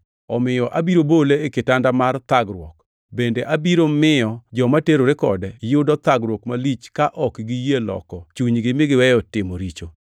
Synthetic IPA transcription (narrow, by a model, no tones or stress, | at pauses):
ɔmɪjɔʔabiɾoboleːkɪtandamart̪aɡɾwɔ̰k | bendeʔabiɾomɪjɔd͡ʒɔmateɾoɾekɔ̰dɛjʊdɔt̪aɡɾwɔkmalit͡ʃkaʔɔkɡijelɔ̰kɔt͡ʃuɲɡɪmɪɡɪwɛjɔtɪmoɾit͡ʃo